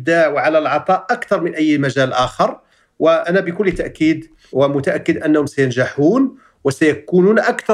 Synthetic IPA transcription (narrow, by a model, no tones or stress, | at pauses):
d̪aʔwʕalælʕɑt̪ˤɑʔʔakt̪ɑɾˤmənʔæjːmæʒælʔæxɑɾˤ | wəʔænæbəkʊlːt̪aʔkːiːd̪ | wəmʊt̪aʔækːəd̪ʔænːæhʊmsæjənʒaħuːn | wəsæjækununʔækt̪ɑ